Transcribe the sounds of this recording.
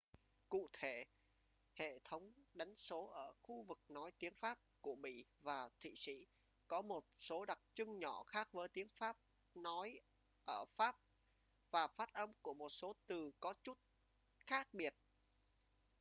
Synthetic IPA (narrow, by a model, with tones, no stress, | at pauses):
kṵ˧˨t̪ʰe˧˩ | hḛ˧˨t̪ʰə˨˦wŋ͡mɗa˨˦jŋ̟so˨˦ʔəː˧˩xu˧vɨ˨˩k̚nɔ˨˦jt̪i˨˦əŋfaː˦˥p̚ku˧˩əɓḭ˧˨vaː˨˩t̪ʰḭ˧˨sḭ˧˥ | kɔ˨˦mo˨˩t̚so˨˦ɗa˨˩k̚t͡ɕɨ˧ŋɲɔ˧˩xaː˦˥k̚vəː˨˦jt̪i˨˦əŋfaː˦˥p̚ | nɔ˨˦j | ʔəː˧˩faː˦˥p̚ | vaː˨˩faː˦˥t̚ʔə˧mku˧˩əmo˨˩t̚so˨˦t̪ɨ˨˩kɔ˨˦t͡ɕu˦˥t̚ | xaː˦˥k̚ɓi˨˩ət̚